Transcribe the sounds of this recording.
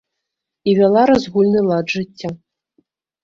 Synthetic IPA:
ivʲalˠaɾazɣulʲnɨlˠadʐɨtʲːa

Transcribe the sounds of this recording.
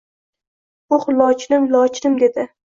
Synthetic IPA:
ʊχlɒt͡ʃnɪmlɒt͡ʃnɪmd̪ed̪ɪ

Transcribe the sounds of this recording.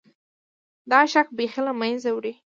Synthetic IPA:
d̪ɑʃak̚bexilamanzawɽi

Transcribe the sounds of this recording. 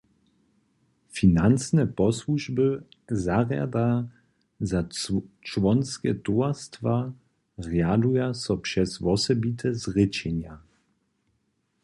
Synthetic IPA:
finant͡snɛpɔswuʒbəzaʁja̰d̪a | zat͡ʃvɔnskɛ̰t̪uast̪va | ʁjadujasɔpʂɛsvɔsɛbit̪ʰɛzʁɪt͡ɕɛɲja

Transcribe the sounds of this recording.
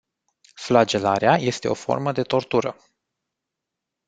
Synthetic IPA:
flad͡ʒe̞laɾeaje̞st̪e̞o̞̰fo̞̰rməd̪e̞t̪o̞rt̪uɾə

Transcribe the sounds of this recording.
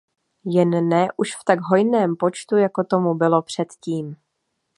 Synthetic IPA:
jɛnːɛʔuʃft̪aɡɦo̞jnɛːmpo̞t͡ʃt̪ujako̞t̪o̞mubɪlo̞pr̝̥ɛt̪ciːm

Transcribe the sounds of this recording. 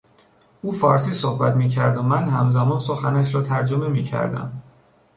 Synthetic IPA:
uːfɒːɾsiːsohbæt̪miːcʰæɾd̪omænhæmzæmɒːnso̞xænæʃɾɒːt̪ʰæɾd͡ʒomemiːcʰæ̰ɾd̪æ̰m

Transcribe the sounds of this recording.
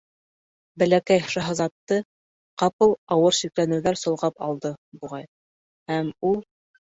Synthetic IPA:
bælækæjʃɑɦɤ̆zɑt̪ːɤ | qɑpɤlˠɑwɤɾʃiklænɘ̆wðæɾsŏlˠʁɑpɑ̰lˠd̪ɤbuʁɑj | hæmulˠ

